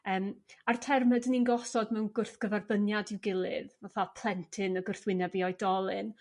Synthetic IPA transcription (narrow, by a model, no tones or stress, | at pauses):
əːmartʰɛrmədəninɡɔsɔdmɛwnɡʊrθɡ̥əvarbənjadɪwɡɪlˠɨðvaθapʰl̥ˠɛntʰɨnəɡʊrθwɪnɛviɔjdɔlˠɨn